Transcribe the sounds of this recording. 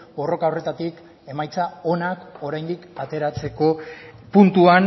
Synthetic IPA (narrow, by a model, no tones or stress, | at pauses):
bo̞ro̞kaore̞t̪at̪ik | e̞majt͡sao̞nako̞ɾajnd̪ikat̪e̞ɾat͡se̞ko̞punt̪uan